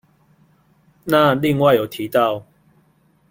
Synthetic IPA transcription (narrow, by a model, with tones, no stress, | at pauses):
nã˥˧li˥˧ŋwa˥˨jo˨˩t̪ʰi˨˦t̪a˥˨ʊ